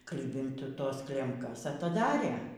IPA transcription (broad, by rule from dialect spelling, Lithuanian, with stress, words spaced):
ˈklʲɪbʲɪnt ˈtoːs ˈklʲɛmkɐs ɐtɐˈdɑːrʲeː